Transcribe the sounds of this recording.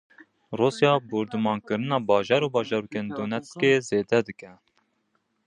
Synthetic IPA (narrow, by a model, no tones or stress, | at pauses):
ruːsjɑːbuɾd̪ɨmɑːnkɨɾɨnɑːbɑːʒɑːɾuːbɑːʒɑɾuːkend̪onɛt̪skeːzeːd̪ɛd̪ɨkɛ